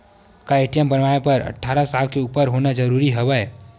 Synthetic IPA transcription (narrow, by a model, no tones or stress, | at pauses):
kaeʈijəmbənʋaepəɾə̰ʈʰːaːɾasalkeuːpəɾɦonad͡ʒəɾuɾiɦəbɛ